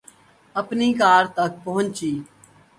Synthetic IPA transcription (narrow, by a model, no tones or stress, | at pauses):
əpniːkaːɾt̪ək̚pəɦʊ̃nt͡ʃiː